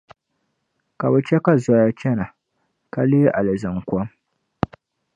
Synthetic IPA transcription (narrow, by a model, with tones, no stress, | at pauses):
ka˨bɨ˨t͡ʃɛ˦ka˦za˨˦ja˦t͡ʃɛ˦na˨ | ka˦leː˦ʔa˨lɨ˨zɨ˨ŋkʷɔ˦m